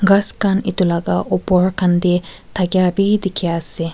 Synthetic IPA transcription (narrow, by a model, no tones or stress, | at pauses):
ɡɐskanit̪ulɐɡaʔopoɾkɐnd̪i | t̪ʰɐɡʲjaːbiːd̪ikʰiaːsi